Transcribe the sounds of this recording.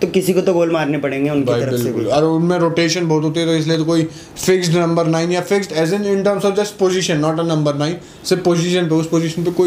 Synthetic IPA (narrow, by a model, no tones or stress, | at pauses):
t̪okɪsikot̪oɡoːlmaːɾnepɐɽẽːŋɡeʊnkbiaɐɾəbɪlekʊlɔːɾmẽɾoːʈeːʃənbɔːt̪ɦoːt̪̬iɦɛt̪oɪs̬liet̪okoːi | fɪksʈnɐ̃mbəɾnaːɪĩnjafɪksʈɛːzɪ̃nɪ̃ɳʈəɾmsɔːʋd͡ʒɐsʈ̚poːzɪʃənːɔːʈɐnɐ̃mbəɾnaːĩn | sɪpoːzɪʃə̃np̬eʊspoːziʃənpekoːi